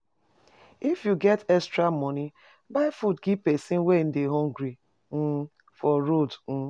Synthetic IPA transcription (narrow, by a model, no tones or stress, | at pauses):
ifjuɡɛtɛstɾamɔni | baɪfutɡipesĩn̩wen̩dɪɦɔ̃ŋɡɾi | n̩ | fɔɾodn̩